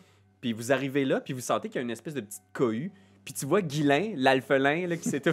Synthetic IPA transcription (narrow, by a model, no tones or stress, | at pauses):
pivuzaʁivelʌpivusɑ̃t̪ekʲjaynɛspɛsd̪əpə̥tt͡s̪i̥t̪̚kʰɔy | pit̪yvwaɡʲilɛ̃lalfəlɛ̃lʌkʲi̥set̪ɛ